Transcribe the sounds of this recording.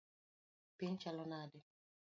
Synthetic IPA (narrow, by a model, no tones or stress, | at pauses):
pɪɲt͡ʃalɔnadɪ